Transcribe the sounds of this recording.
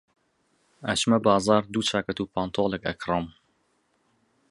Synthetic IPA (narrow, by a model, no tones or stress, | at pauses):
ɐt͡ʃmɐbɑːzɑːɾd̪uːt͡ʃʰaːkɐt̪upʰaːnt̪ʰoːlˠɛkɐ̰kʰrˤɨm